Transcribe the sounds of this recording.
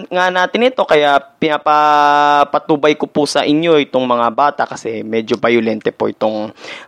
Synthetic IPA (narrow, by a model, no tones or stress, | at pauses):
ŋanaːt̪ɪnɪt̪o̞kɐjaʔpɪnapapɐt̪uːbɐjkopʊsɐʔɪɲjo̞ʔɪt̪oŋmɐŋabaːt̪ɐʔkɐsɛmɛːd͡ʒobajʊlɛnt̪ɛpoʔɪt̪o̞ŋ